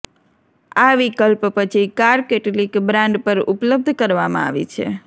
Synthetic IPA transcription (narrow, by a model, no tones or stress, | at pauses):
aʋikəlppət͡ʃʰikaɾkeʈlikbɾãɳɖpəɾupləb̚d̪ʱkəɾʋamã̰a̰ʋḭt͡ʃʰḛ